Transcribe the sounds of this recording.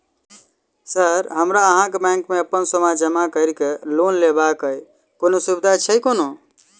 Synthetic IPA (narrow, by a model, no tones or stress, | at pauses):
səɾɦəmɾaəɦãkebɛ̃ŋkmeəpːənsəmad͡ʒəmakəɪɾikelonlebakəj | konosubid̪ʱat͡ʃʰəjkono